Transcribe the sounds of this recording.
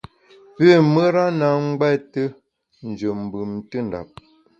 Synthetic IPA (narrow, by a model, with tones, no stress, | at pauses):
pe˦˨mə˦ɾa˦na˨ŋ̩˦ɡɛ˦˨tə˦ | n̩˨d͡ʒə˨m̩˨bɯ˨mtə˦n˨da̰˨p̚